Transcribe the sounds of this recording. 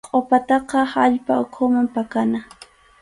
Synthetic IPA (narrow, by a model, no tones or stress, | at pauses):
qʼopat̪ɑqɑaʎpaʊkʰʊmampakana